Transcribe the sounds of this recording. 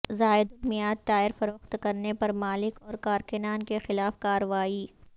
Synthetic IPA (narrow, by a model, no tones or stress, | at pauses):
zaːɪd̪ʊmijaːt̪̚ʈaːjəɾfɐɾʊxt̪kɐɾnepɐɾmaːlɪkɔːɾkaːɾkɪnaːnkexɪlaːfkaːɾəʋaːi